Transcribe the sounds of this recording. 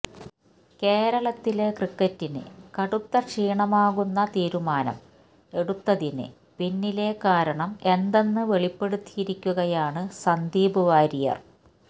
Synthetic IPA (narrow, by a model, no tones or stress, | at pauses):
ke̞ːɾɐɭɐt̪ːile̞krikːɐtːinɨ̰kɐɽut̪ːɐkʂiːɳɐmaːɣunːɐt̪iːɾumaːnɐ̰m | e̞ɽut̪ːɐðinɨ̰ | pinːile̞kaːɾɐɳɐme̞nd̪e̞nːɨʋe̞ɭipːe̞ɽut̪ːijiɾikʲːuɣɐjaːɳɨsɐnd̪iːbuʋaːɾijɐ̰r